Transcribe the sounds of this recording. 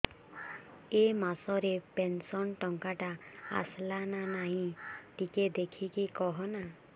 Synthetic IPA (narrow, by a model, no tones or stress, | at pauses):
emasɔɾepensɔnʈɔŋkaʈaa̰slananaɦĩʈiked̪ekʰikikɔɦɔna